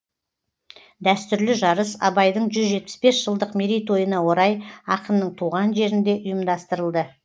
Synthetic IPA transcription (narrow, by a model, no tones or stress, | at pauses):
d̪æst̪ʏɾlɪʒɑɾəsɑ̰bɑjd̪əɴʒʏzʒe̞t̪̚pɪ̥spe̞sʒəlˠd̪əqmeɾijt̪o̞jənɑwo̞ɾɑjɑqənnːəɴt̪ʰuʁɑnʒe̞ɾɪnd̪e̞ʔʊjəmd̪ɑst̪əɾəlˠd̪ə